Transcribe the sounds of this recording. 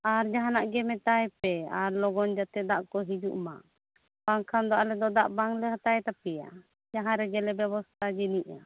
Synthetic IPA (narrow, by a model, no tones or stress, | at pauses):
aɾd͡ʒaɦanaʔɡɛmɛt̪ajpɛaɾlɔɡɔnd͡ʒat̪ɛd̪aʔkɔɦid͡ʒuʔma̰ | b̥aŋkʰand̪ɔʔalɛd̪ɔd̪aʔbaŋlɛɦat̪ajɛt̪apɛja̰ | d͡ʒaɦãɾɛɡɛlɛbjɛbɔst̪ʰad͡ʒiniʔa